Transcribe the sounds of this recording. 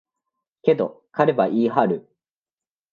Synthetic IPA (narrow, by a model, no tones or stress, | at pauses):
ke̞d̪o̞kaɾe̞baʔiːɦaɾɯ̟